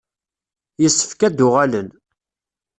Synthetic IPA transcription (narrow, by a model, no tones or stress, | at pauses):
jəsːə̥fkæd̪ʊʁælən